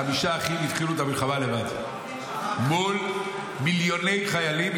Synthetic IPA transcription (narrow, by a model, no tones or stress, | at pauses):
amiʃaːχimit̪χiluet̪amilχavalevad̪ | mul | miljo̞ne̞jχajalim